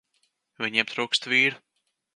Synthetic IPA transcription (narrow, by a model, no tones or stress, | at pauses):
vʲiɲap̚t̪ɾuːkst̪viːɾu